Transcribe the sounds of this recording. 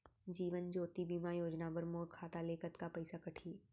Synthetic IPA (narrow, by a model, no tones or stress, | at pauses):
d͡ʒiːʋənd͡ʒoːt̪ibiːmajoːd͡ʒnabɐɾmoːɾkʰaːt̪aleːkət̪kapɐɪsakɐʈʰiː